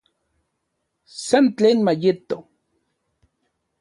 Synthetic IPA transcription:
sant͡ɬeːnmajɪt̪o

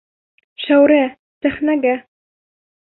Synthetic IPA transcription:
ʃæwɾæ | sæχnæɡæ

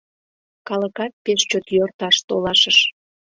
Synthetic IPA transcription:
kɑləkɑt̪̚peʃt͡ɕot̪jørt̪ɑʃt̪olɑʃəʃ

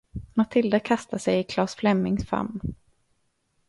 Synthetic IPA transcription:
mat̪ʰɪld̪akʰast̪asɛjɪkʰlɑːsflɛmːɪŋsfa̰mː

